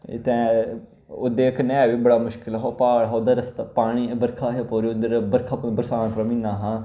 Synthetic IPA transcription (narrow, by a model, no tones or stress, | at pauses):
t̪ɛ̃ː | oːd̪eːkənːeɛːʋiːbəɽaːmʊʃkɪlɦoːpaːɽɦːod̪əɾəst̪ːpaːɽ̃iːbəɾkʰaːɦepoːɾiːʊd̪əɾbəɾkʰaːpːbəɾsaːnt̪ɾəmĩːnaːɦãː